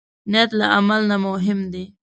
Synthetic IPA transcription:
nat̪laʔamalnamʊɦɪmd̪e

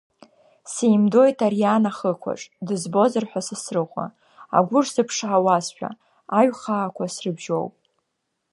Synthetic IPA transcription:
sejmdo̞jtʰarijanaχəkʷʰa̰ʈ͡ʂʼdɨzbo̞zɨrħʷᶣasɨsrɨʁʷa̰ | a̰ɡʷʊrsɨpʰʂʕawazʃᶣa̰ | aɥχaːkʷʰasrɨbʒo̞̰wpʼ

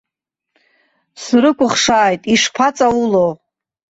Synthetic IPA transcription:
srɨkʷʼʊχʂaːjtʼiʂpʰat͡sʼaulow

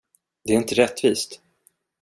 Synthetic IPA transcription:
d̪ɛːɾɪnt̪əɾɛt̪ːviːst̪

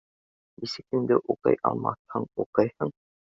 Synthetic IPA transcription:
isɘ̆k̚ɘ̆ŋd̪ɘʔuqɤ̰jʔɑ̰lˠmɑ̰θhɤɴuqɤjhɤɴ

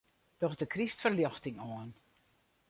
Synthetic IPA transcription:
d̥ɔxdəkʰristfərljɔxtɪŋoən

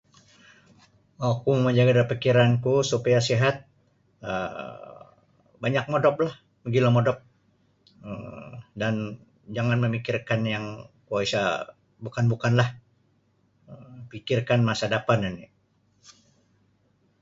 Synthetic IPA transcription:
wakuməɲd͡ʒaɡadaipikiɾankusupajasiɦat̪̚ | ə̰ | baɲak̚modɔp̚lah | bəɡilamodɔp̚ | əmdan | d͡ʒaŋanməmikirkanjaŋkuaisa | bukanbukanlah | əpikirkanmasadapanani

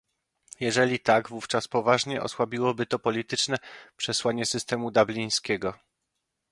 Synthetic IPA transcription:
jɛʐɛlʲit̪aɡvuft͡ʂaspɔvaʐɲɛʔɔ̰swabʲiwɔbɘt̪ɔpɔlʲit̪ɘt͡ʂnɛpʂɛswaɲɛsɘst̪ɛmud̪ablʲij̃skʲɛɡɔ

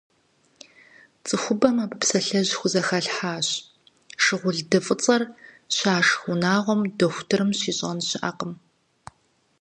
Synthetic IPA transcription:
t͡sʼɨxʷʊbɐmaːbɨpsɐɬɐʑxʷʊzɐxɐɬħaːɕ | ʃɪʁʷʊɮdɨfʼɨt͡sʼɐr | ɕaːʂxʷʊnaːʁʷɔmdɐxʷʊtʰɨɾɨmɕiːɕʼɐnɕɪʔa̰qəm

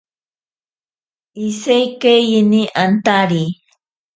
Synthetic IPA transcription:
isejkejiniʔant̪aɾi

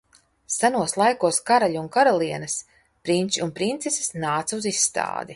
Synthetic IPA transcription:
sanuɔslˠajkuɔskaɾalʲunkaɾalˠiɛnɐs | pɾinʲt͡ʃiunpɾint̪sesi̥snaːt̪suzisːt̪a̰ːd̪i

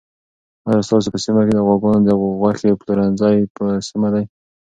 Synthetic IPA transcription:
hajɑst̪ɑs̬epəsimaked̪əɣwaɡunod̪əɣɣwaxepluɾanzɑjpəsimad̪aj

